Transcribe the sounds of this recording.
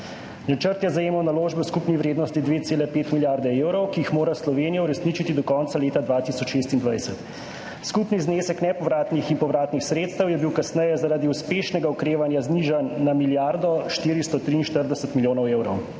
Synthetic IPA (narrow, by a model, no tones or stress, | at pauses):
nat͡ʃəɾt̪jɛzajeːmɔwnaloːʒbɛwskupniʋɾeːd̪nɔst̪id̪ʋeːt̪seːlɛpeːt̪miljaɾd̪ɛewɾɔwkijixmoːɾaslɔʋeːnijauɾɛsnit͡ʃit̪id̪ɔkɔnsaleːt̪ad̪ʋat̪isɔt͡ʃʃeːst̪ind̪ʋajsɛt̪ | skupnizneːsɛknɛpɔʋɾaːt̪niximpɔʋɾaːt̪nixsɾeːt̪st̪əwjɛbiwkasnɛjɛzaɾaːd̪iuspeːʃnɛɡaɔkɾeːʋanjazniʒanːamiljaɾd̪ɔʃt̪iːɾist̪ɔt̪ɾiːnʃt̪əɾd̪ɛsɛt̪miljoːnɔweːwɾɔw